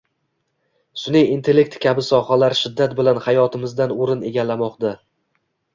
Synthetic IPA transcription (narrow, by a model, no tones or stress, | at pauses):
sʊnɪjint̪ʰe̞lːe̞k̚t̪kʲʰabɪsɒhalaɾʃɪd̪ːat̪̚bɪlanhajɒt̪ʰɪmɪzd̪anoɾɪne̞ɡʲalːamɒqd̪a